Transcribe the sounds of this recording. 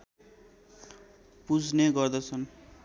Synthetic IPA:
pud͡zneɡʌrd̪ʌt͡sʰʌn

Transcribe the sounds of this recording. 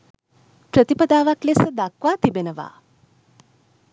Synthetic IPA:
pɾət̪ipəd̪aːʋaklesəd̪akʋaːt̪ibenəʋa̰ː

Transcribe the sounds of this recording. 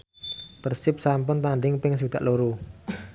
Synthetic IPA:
pərsɪp̚sampʊnt̪aɳɖɪŋpɪŋs̬ud̪̥a̰ʔloɾu

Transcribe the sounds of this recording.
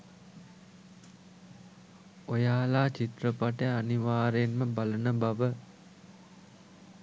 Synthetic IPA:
ojaːlaːt͡ʃit̪rəpaʈəaniʋaːɾenməbalənəbaʋə

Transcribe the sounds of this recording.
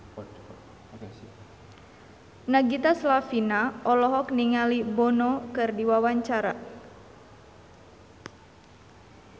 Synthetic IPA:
naɡit̪aslafinaɔlɔɦɔkniŋalibɔnɔkɨrdiwawaɲt͡ʃaɾa

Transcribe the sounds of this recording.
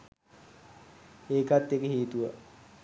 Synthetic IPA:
eːkat̪ːekəɦiːt̪uʋə

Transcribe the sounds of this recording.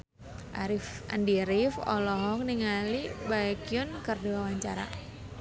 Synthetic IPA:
ʔaɾɪfa̰ndiɾɪfɔ̰lɔɦɔk̚niŋalibaɛkiʊnkərdiwawaɲt͡ʃaɾa̰

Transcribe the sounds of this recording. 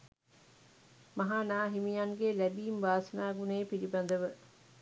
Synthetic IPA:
mɐɦaːnaːɦimijaŋɡelæbiːmʋaːsɐnaːɡuneːpilibɐnd̪əʋə

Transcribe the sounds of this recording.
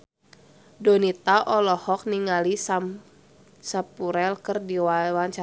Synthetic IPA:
dɔnit̪aʔɔlɔhɔk̚niŋalisa | sapuɾɛlkɨrdiwwaɲt͡ʃa

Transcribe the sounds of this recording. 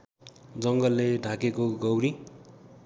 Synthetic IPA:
d͡zʌŋɡʌlːeɖʱakekoɡʌwɾi

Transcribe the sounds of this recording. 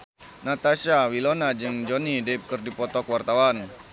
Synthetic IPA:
nat̪asawilonad͡ʒɨŋd͡ʒɔnidɛp̚kɨrdipɔt̪ɔkwart̪awan

